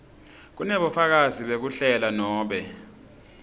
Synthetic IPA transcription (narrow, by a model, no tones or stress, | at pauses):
k̬unɛɓɔfak̬aziɓek̬uɬɛlanɔːɓɛ